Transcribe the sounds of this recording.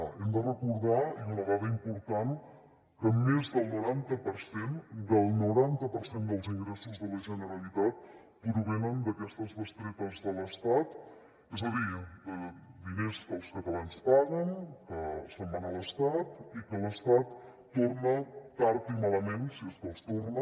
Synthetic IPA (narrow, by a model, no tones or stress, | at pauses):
ɛmd̪ərəkuɾðaiunəɣaðəimpuɾt̪an | kəmːezðəlˠnuɾant̪əpəɾsend̪əlˠnuɾant̪əpəɾsend̪əlˠziŋɡɾesuzðələʒənəɾəlit̪at̪̚ | pɾuβɛnənd̪əkɛst̪əzðəst̪ɾet̪əzðələst̪at̪ | ɛzəðiəd̪inezðəlˠskət̪əlanspaɣənkəsəmːanələst̪at̪ikələst̪at̪ː | ornət̪aɾt̪imaləmensieskɔst̪ornə